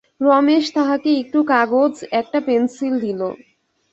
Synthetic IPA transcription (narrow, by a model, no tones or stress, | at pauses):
ɾɔmeʃt̪aɦakeek̚ʈukaɡod͡ʑɛk̚ʈapensild̪ʱilo